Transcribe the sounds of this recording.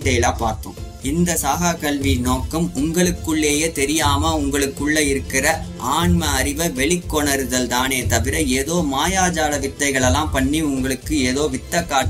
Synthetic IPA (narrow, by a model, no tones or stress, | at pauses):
ʈeːlaːpaːɾt̪ʊ̰̃ | ɪnd̪ɐsaːɣaːkɐɭʋinoːkːɐmʊŋɡɐɭɯkːɯɭːeːjeːt̪ɛɾɪjaːmɐʊŋɡɐɭɯkːɯɭːɐɪɾɯkːɪrɐʔaːɳmɐːɾɪʋɐʋɛɭɪkːɔɳɐɾɯðɐlt̪aːneːt̪ɐʋɪɾɐeːðoːmaːjaːd͡ʒaːlɐʋɪt̪ːɐɪɣɐɭɛlːãːmpɐɳːiʊŋɡɐɭɯkːɯeːðoːʋɪt̪ːɐkːaː